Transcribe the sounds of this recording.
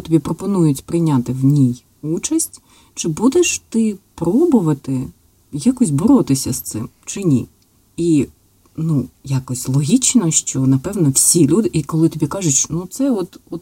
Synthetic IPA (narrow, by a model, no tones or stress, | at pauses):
t̪ɔbʲipɾɔpɔnujʊtʲpɾɪjnʲat̪ɪwnʲij | ut͡ʃɐsʲtʲ | t͡ʃɪbud̪eʃt̪ɪpɾɔbʊʋɐt̪ɪ | jakɔsʲbɔɾɔt̪ɪsʲɐst̪sɪ̰mt͡ʃɪnʲḭ | i | nujakɔsʲlˠɔɦʲit͡ʃnɐʃt͡ʃɔnɐpɛwnɔwsʲilʲud̪ɪʔikɔlˠɪt̪ɔbʲikɑʒʊt͡ʃʲnut̪sɛɔt̪ɔt̪